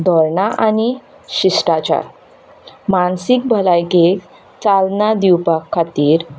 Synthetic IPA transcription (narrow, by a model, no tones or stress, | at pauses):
d̪ʱɔɾɳaʔani | ɕisʈat͡ɕa̰ | mansik̚bʱəlajke | t͡salnad̪iwpakʰːat̪iːɾ